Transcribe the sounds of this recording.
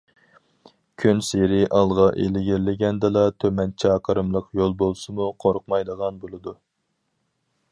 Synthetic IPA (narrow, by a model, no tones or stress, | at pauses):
kʲʰynseɾɪʔɑlˠʁɑʔelɪɡʲiɾlɪɡʲɛnd̪ɨlˠɑt̪ʰømɛnt͡ʃʰɛqʰəɾɨmlˠəqjolˠbolˠsɨmuqʰoɾʊq̚mɑjd̪əʁɑnbolˠɨd̪u